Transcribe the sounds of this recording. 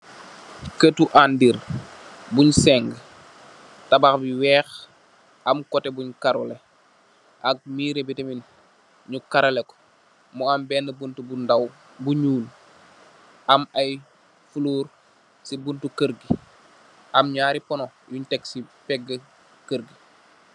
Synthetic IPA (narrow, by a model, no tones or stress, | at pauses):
kətuʔandiɾ | buɲsɛŋɡ | tabaxbiwɛːx | ʔamkɔtebuɲkaɾule | ʔak̚miːɾebitemin | ɲukaɾɐlɛko̥ | mɔambɛːnːəbuntubundaw | buɲuːl | ʔamaj | fuluːɾ | sibuntukəɾɡi | ʔamɲaːɾipɔnɔjuɲtɛksipɛɡːə | kəɾɡi